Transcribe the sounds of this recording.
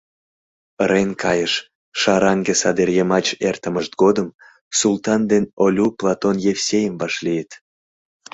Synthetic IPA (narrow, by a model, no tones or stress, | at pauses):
əɾenkʰɑjəʃ | ʃɑɾɑŋɡesɑd̪erjemɑt͡ɕert̪əməʃt̪̚ɡod̪əm | sult̪ɑnd̪enolʲuplˠɑt̪onjefsʲejəmvɑʃlijət̪